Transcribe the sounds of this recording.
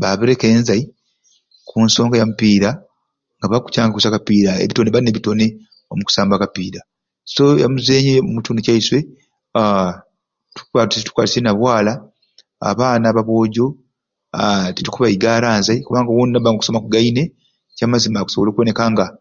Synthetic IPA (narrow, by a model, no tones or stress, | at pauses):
βaβeɾeke̞ːnzai | kʰunso̞ːŋɡajamupiːɾa | ŋɡaβaku̥caːŋɡakusakapiːɾaḛβito̞ne̞βaɾineːβito̞ne̞ | o̞muku̥saːmbakapiːɾa | so̞ja̰muzeːɲeomutuːnocaiswe̞ | a | tu̥kuβatsetu̥kwalisenaβwaːla | a̰βaːnaːβaβo̞ːɟo̞ | atitukuβaiɡalaːnzajikuβaːŋɡawonnːaβaːŋɡokuso̞makuɡaine̞ | caːmazimaːku̥so̞olo̞ːkwone̞kaːŋɡa